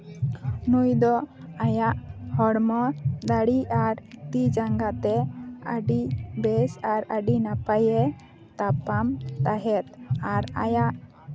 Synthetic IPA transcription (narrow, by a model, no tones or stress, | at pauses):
nujd̪ɔajaʔhɔɽmɔd̪aɽiʔaɾt̪id͡ʒaŋɡat̪ɛa̰ɖibɛsaɾaɖinapajɛ | t̪apamt̪aɦɛt̪aɾa̰jaʔ